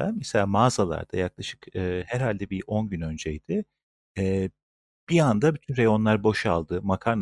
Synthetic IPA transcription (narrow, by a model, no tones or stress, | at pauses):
a̰mɛselʲaːmaːzalˠa̰ɾd̪̥ajaklˠaʃɯ̥kɯːhæɾɦalʲd̪ɛbiʔo̞nɟynø̞nd͡ʒɛjd̪̥ɪ | ɛː | b̥iand̪abyt̪ʰynɾejo̞nlˠaɾbo̞ʃalˠd̪ɯmakʰaɾn